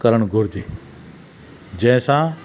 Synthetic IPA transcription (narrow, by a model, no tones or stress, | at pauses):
kəɾəɽ̃ɡʱʊɾd̪i | d͡ʑɐ̃ɪ̃sã